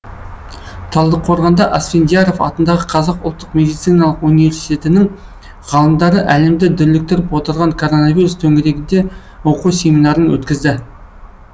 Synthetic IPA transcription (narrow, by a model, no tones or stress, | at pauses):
t̪ʰɑlˠd̪əqʰo̞ɾʁɑnd̪ɑʔasfʲend̪ʲijaɾo̞fɑ̰t̪ənd̪ɑʁəqʰɑzɑqʊlˠt̪ːə̥qme̞d̪ijt̪sɨjnɑlˠəqunive̞ɾsi̥t̪e̞t̪ɪnɪŋ | ʁ̥ɑlˠəmd̪ɑɾəʔæle̞md̪ɪd̪ʏɾlɪk̚t̪ɪɾɪpwot̪əɾʁɑŋkʰo̞ɾo̞naviɾust̪ʰɵŋɡʲɪɾe̞ɡʲɪnd̪e̞ | wo̞qusʲe̞minɑɾənwɵ̰t̪kʲɪzd̪ɪ